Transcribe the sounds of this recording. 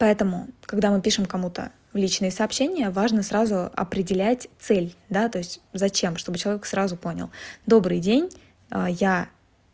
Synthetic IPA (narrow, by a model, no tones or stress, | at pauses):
pɐɛt̪əmʊkɐɡd̪amɨpʲiʂɨmkɐmut̪ə̰ | vlʲit͡ɕnɨjəsɐːpɕːenʲɪjəvaʐnəsɾazʊɐ̰pɾʲɪdʲɪlʲætʲt̪sɛlʲd̪at̪o̞ɪsʲtʲzɐt͡ɕe̞mʂt̪o̞bɨt͡ɕɪlˠɐvʲksɾazʊpo̞nʲɪ̰lˠd̪o̞bɾɨjdʲenʲ | əja